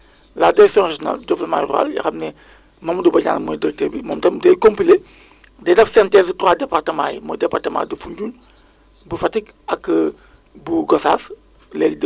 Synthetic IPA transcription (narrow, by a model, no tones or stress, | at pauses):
ladiɾɛksjɔ̃nreʒɔna̰ldɔflma̰jra̰ːljɐ̰xɐmnɛ | mɐmdubɐɟa̰ːnmɐdɐɾtebimɔmtɐmdɛjkompile | dɛdɐpsɛntɛstwaːdɛpartɐmaːjmɔdɛpartɐma̰ːdɐfuɲɟuːn | bufɐtik | ɐkː | buɡɔsaːs | lɛɡd